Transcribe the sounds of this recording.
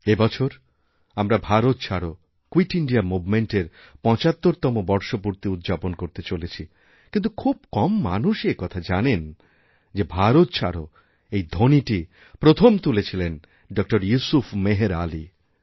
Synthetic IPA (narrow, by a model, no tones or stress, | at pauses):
ebɔt͡ɕʰoɾ | amɾabʱaɾot̪t͡ɕʰaɾo | kwiʈiɳɖiamubmeɳʈeɾ | pɔ̃t͡ɕat̪ːoɾt̪ɔmobɔɾʃopuɾt̪iut̪̚ːd͡ʑaponkoɾt̪et͡ɕolet͡ɕʰi | kint̪̬ukʰub̚kɔmːa̰nuʃekɔt̪ʰad͡ʑanen | d͡ʑebʱaɾot̪t͡ɕʰa̰ɾo | ejd̪ʱoniʈi | pɾot̪ʰomt̪ulet͡ɕʰilen | ɖɔk̚ʈoɾjusufʰmeɦeɾali